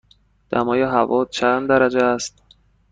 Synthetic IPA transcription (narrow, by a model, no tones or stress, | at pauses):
d̪̥æ̰mɒːjeɦævɒːt͡ʃʰænd̪d̪æɾæd͡ʒeæst̪̚